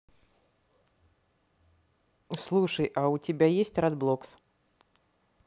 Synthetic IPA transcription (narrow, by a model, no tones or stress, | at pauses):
slˠuʂəjʔɐutʲɪbʲajesʲtʲrad̪blˠɔks